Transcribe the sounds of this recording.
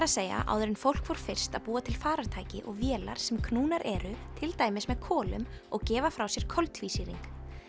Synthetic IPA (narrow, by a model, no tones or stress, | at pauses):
ɾaðseːja̰ʔa̰ːwðʏɾɪnfowl̥kvɔɾ̥fɪr̥st̪aðpuːat̪ʰɪlfaːɾaɾt̪ʰaːjcɪ̰ʔɔɣvjɛːla̰ɾ̥sɛmkʰnuːnaɾʔɛɾʏt̪ʰɪlt̪aːjmɪsmɛðkʰɔːlʏ̰mɔɣcɛːvafɾawsjɛɾ̥kʰɔlt̪visiɾiŋk